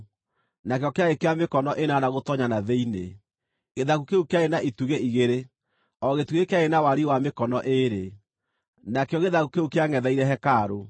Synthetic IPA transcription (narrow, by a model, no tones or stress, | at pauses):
nakeɔkeaekeamekɔnɔʔenanaɣotɔɲanaðeinḛ | ɣeðaɣukeukeaenaituɣeʔiɣeɾe | ɔɣetuɣekeaenawaɾiwamekɔnɔʔeɾe | nakeɔɣeðaɣukeukeaŋɛðaiɾɛɦɛkaːɾo